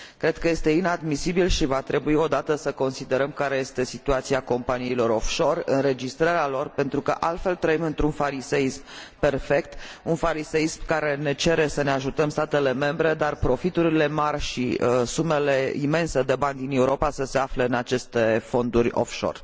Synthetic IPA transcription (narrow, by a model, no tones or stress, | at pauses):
kɾe̞d̪̚kəje̞st̪e̞inad̪misibilʃivat̪ɾe̞buio̞d̪at̪əsəko̞nsid̪e̞ɾəmkaɾe̞je̞st̪e̞sit̪uat̪siako̞mpaniːlo̞ɾo̞fʃo̞rɨ̰nre̞d͡ʒist̪ɾaɾealo̞rpe̞nt̪ɾukə̰ʔalt̪fe̞lt̪ɾəimɨnt̪ɾunfaɾise̞ismpe̞rfe̞k̚t̪unfaɾise̞ismkaɾe̞ne̞t͡ʃe̞ɾe̞səne̞aʒut̪əmst̪at̪e̞le̞me̞mbɾe̞d̪arpɾo̞fit̪uɾile̞marʲʃḭəsume̞le̞ḭme̞nse̞d̪e̞banʲd̪ine̞uɾo̞pasəse̞afleɨnat͡ʃe̞st̪e̞fo̞nd̪urʲo̰fʃo̞̰r